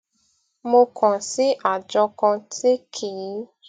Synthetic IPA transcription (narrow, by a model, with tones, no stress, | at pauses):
mo˧kʰɔ̃˨si˨˦ʔa˨d͡ʒɔ˧kã˧tʰi˦kʰi˨˦